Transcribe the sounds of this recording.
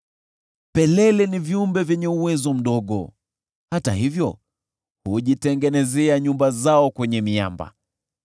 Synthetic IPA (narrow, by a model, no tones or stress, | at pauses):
pɛlɛlɛniviumbɛvjɛɲɛuwɛzɔm̩ɗɔɠɔ̰ | hata̰hivjɔ | huʄitɛŋɡɛnɛzɛaɲumbazaɔkwɛɲɛmia̰mba̰